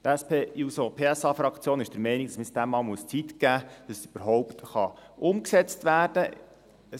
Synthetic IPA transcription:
t̪æspeːjusopʰeːæsɑːfɾɑkt͡sjoːnɪʃd̥əɾmɛniɡ̥̪̚ɑsmɪsd̥æmːɑːlmuəst͡sit̪ɡ̥æːd̥ɑsyb̥əɾɦɔʊpt̪χɑʔʊmksɛt͡st̪ʋæːɾd̥ə | ə

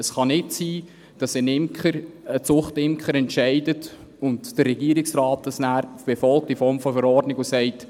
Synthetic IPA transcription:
əsχɑnɪtsiː | d̥ɑsənɪmkχəɾət͡sʊχtɪmkχəɾɛntʃɛɪdət | ʊntd̥ərːɛɡiəɾɪksrɑːt̚dɑsnæːɾb̥efɔlk̚tifɔɾmfɔfəɾɔrdnɪɡusɛɪt

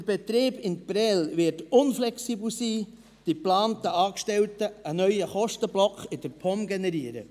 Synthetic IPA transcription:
dəɾb̥ɛt̪ɾeːbɪnb̥ɾɛlʋɪtʊnflɛksiːbl̩siː | d̥iplɑːntəɑːkʃtɛltəənœʏjəχɔʃtəblɔkχɪdəɾpʰɔmɡɛnɛɾiəɾə̰

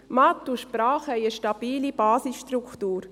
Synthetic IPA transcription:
mat̪ːuʃpɾaːχhɛjəʃtabiːlibaːsisʃtɾukt̪uːɾ

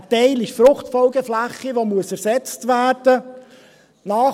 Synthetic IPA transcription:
tɛɪliçfɾʊχtfɔlɡəflæχːiʋomuəsæɾsɛt͡stʋæːɾd̥ə | nɑː

